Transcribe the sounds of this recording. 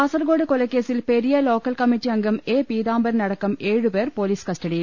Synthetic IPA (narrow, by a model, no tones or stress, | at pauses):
ɐːsɐɾɡoːɽɯkɔlɐkːeːsɪlpɛɾɪjɐloːkɐlkɐmit͡ʃːiɐŋɡɐmeːpiːðaːmbɐɾnɐɽɐkːɐmeːɻɯpeːɾpoːliːskɐsʈɐɽi